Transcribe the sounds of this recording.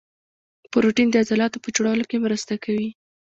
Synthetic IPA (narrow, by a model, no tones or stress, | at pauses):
poɾoʈind̪əazalɑt̪opəd͡ʒɽɑlokemɾəst̪akʰawi